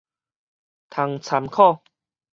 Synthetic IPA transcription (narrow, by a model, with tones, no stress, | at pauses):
t̪ʰa˨˦ŋt͡sʰa˨˧˦mkʰɔ˥˨